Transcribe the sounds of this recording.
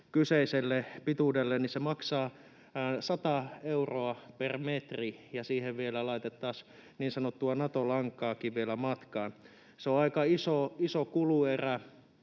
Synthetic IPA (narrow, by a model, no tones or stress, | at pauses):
kyseiselːepit̪udelːennisemɑksɑː | sɑt̪ɑeuroɑpermet̪rijɑsiːheʋʋielælɑit̪et̪ːɑːsniːnsɑnot̪ːuɑnɑt̪olɑŋkːˑɑːkiʋʋielæmɑt̪kɑːn | seoɑikɑisoisokulueræ